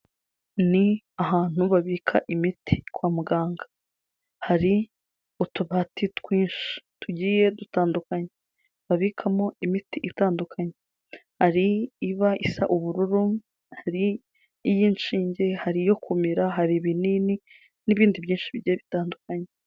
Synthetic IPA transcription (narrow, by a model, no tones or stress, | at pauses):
ni | aɦaːn̥huβaβiːkʰa̰ʔimitʰi̥kwaːmuɡaːŋɡḁ | haɾi | utuβaːtitkwiːnʃi̥tuɟiːje̞dutaːndukaɲe | βaβikʰamoimitiʔitaːndukʰaɲe | haɾiːβaʔisa̰ʔuβuɾuɾu | haɾiː | jiːnʃiːɲɟe̞haɾijo̞kʰumiɾaɦaɾiβinini | niβiːndiβjiːnʃiβiɟiːjeβitaːndukaɲe